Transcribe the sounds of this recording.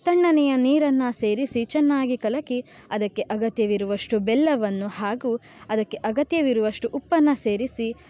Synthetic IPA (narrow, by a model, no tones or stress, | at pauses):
t̪ɐɳːɐnɛjɐniːɾɐnːɐse̞ːɾisit͡ʃɛnːaːɡikɐlɐkiɐd̪ɐkːe̞ʔɐɡɐt̪jɐʋiɾuʋɐʂʈubɛlːɐʋɐnːuhaːɡuː | ɐd̪ɐkːe̞ʔɐɡɐt̪jɐʋiɾuʋɐʂʈuʔupːɐnːɐse̞ːɾisi